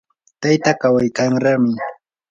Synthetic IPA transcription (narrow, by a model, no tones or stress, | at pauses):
t̪ajt̪akawajkaŋɾamɪ